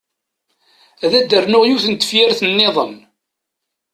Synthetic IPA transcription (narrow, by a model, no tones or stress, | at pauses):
æðæd̪ːərnʊʁjuθənt̪ːə̥fjæɾθənːeðˤəm